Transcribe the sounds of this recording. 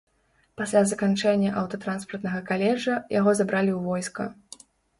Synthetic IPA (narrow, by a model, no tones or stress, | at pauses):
pasʲlʲazɐkant͡ʂɛnʲːɐʔɐwt̪ɐt̪ɾanspɐrt̪nɐɣɐkalʲɛʐɐjaɣɔzabɾalʲiwvɔjskɐ̰